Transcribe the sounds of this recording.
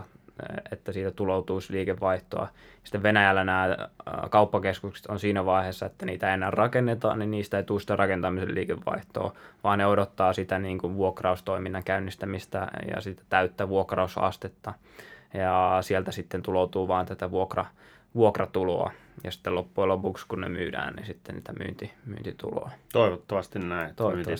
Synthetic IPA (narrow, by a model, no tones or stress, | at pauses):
et̪ːæsiːt̪æt̪ulout̪uːsliːkeʋʋɑiht̪oɑ̰jɑsi̥t̪ːeʋʋenæjælːænæːkɑupːɑkeskukse̥t̪onsiːnæʋɑiheːsːɑet̪ːæniːt̪æeienːæːrrɑkenːet̪ɑ̰ːnninniːst̪æeit̪uːsit̪ærɑkent̪ɑmiselliːkeʋːɑ̰iht̪o̰ːʋɑːnneodot̪ːɑːsit̪æniːŋkuʋʋuokrɑust̪oiminːɑŋkæynːist̪æmist̪æ̰jɑ̰sit̪æ̥t̪æyt̪ːæʋuokrɑusɑ̰st̪et̪ːɑ | jɑsiɛlt̪æsit̪ːent̪ulout̪uːʋɑːnt̪æt̪æʋuokrɑ | ʋuokrɑt̪ulo̰ɑ̰jɑ̰si̥t̪ːelopːuelopukskunnḛmy̰ːdæ̰ːnnḭsit̪ːḛnsḭt̪æmy̰ːnt̪imy̰ːnt̪it̪ṵlo̰ɑt̪oiʋot̪ːoʋɑst̪innæit̪ooiʋo